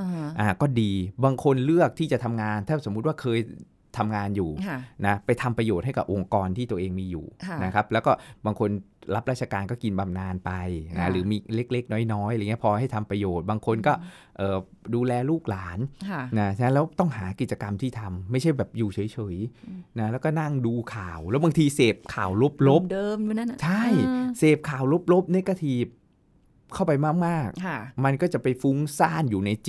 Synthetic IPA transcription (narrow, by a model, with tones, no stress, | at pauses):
ʔaː˨˩kɔː˥˩diː˧baː˧ŋkʰo˧nlɯ˥˩ək̚t̪ʰiː˥˩t͡ɕa˨˩t̪ʰa˧mŋaː˧nt̪ʰaː˥˩so˨˩˦m̚˦˥waː˥˩kʰɤː˧j | t̪ʰa˧mŋaː˧njuː˨˩na˦˥pa˧jt̪ʰa˧mpɾa˧joː˨˩ɦa˥˩jka̰˨˩ʔo˧ŋkɔː˧nt̪ʰiː˥˩t̪u˧ɐʔeː˧ŋmiː˧jṵː˨˩na˦˥kʰa˦˥p̚lɛː˦˥wkɔː˥˩baː˧ŋkʰo˧nɾa˦˥p̚ɾaː˥˩t̚t͡ɕʰa˧kaː˧nkɔː˥˩ki˧nba˧mnaː˧npa˧jna˦˥ɾɯː˩˦miː˧le˦˥k̚le˦˥k̚nɔː˦˥jnɔː˦˥ja˧˨ŋi˦˥əpʰɔː˧ha˥˩jt̪ʰa˧mpɾa˧joː˨˩t̪̚baː˧ŋkʰo˧nkɔː˥˩ | ʔɤː˨˩ | duː˧lɛː˧luː˥˩k̚laː˩˦nʰ˥˩na˦˥t͡ɕʰa˧na˦˥lɛː˦˥wt̪ɔ˥˩ŋɦaː˩˦ki˨˩t͡ɕa˧ka˧mt̪ʰiː˥˩t̪ʰa˧mːa˥˩jt͡ɕʰa˥˩jbɛː˨˩p̚juː˨˩t͡ɕʰɤː˩˦jt͡ɕʰɤː˩˦jna˦˥lɛ˦˥wkɔː˥˩na˥˩ŋduː˧kʰaː˨˩wlɛ˦˥wbaː˧ŋt̪ʰiː˧seː˨˩p̚kʰaː˨˩wlo˦˥p̚lo˦˥p̚dɤː˧mjuː˧na˥˨t͡ɕʰa˥˩jseː˨˩p̚kʰaː˨˩wlo˦˥p̚lo˦˥p̚ne˦˥ka˧t̪ʰiː˨˩p̚ | kʰa˥˩wpa˧jmaː˥˩k̚maː˥˩k̚ʰma˧nkɔː˥˩t͡ɕa˨˩pa˧jfu˦˥ŋsaː˥˩njuː˨˩na˧jt͡ɕi˨